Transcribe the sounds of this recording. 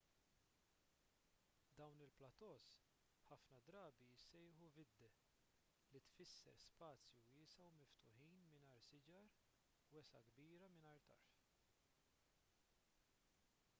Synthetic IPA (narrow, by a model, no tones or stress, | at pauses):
d̪ɐwnɪlplɐt̪ɔːs | ħɐfnɐd̪ɾɐːbisɛjɪːħuvɪd̪ːɛ | lit̪fɪsːɛ̰ɾspɐːt͡sjuɪːsɐwmɪft̪ʊħiːnmɪnɐːɾsɪd͡ʒɐɾ | wɛsɐɡbiːɾɐmɪnɐjɾt̪ɐɾf